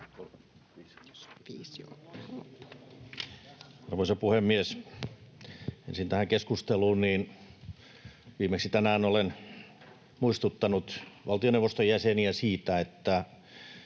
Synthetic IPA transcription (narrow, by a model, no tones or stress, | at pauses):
o | iso̰̥ | ɑrʋoisɑpuhemːies | ḛnsint̪æhæŋkeskust̪eluːnniːn | ʋiːmeksit̪ænæːnolen | muist̪ut̪ːɑnut̪ʋɑlt̪ioneʋːˑost̪ojæseniæsiːt̪æet̪ːæ